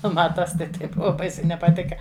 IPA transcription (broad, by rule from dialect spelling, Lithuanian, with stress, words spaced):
ˈnʊ ˈmɐ ˈtɐs tɐɪ ˈtɐɪ ˈbʊʋɐ ˈbɐɪsʲɛɪ nʲɛpɐˈtʲɪkɐ